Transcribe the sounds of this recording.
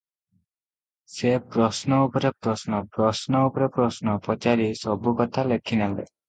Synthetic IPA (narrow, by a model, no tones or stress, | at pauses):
sepɾɔsnɔupɔɾepɾɔsnɔpɾɔsnɔupɔɾepɾɔsnɔpɔt͡ʃaɾisɔbukɔt̪ʰalekʰinalḛ